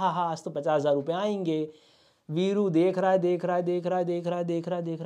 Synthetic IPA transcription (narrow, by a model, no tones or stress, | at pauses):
ɦaɦast̪opɐt͡ʃaːszaːɾʊpeaːẽːŋɡeː | ʋiːɾud̪eːkʰɾaːed̪eːkʰɾaːed̪eːkʰɾaːed̪eːkʰɾaːɦed̪eːkʰɾaːed̪eːkʰɾ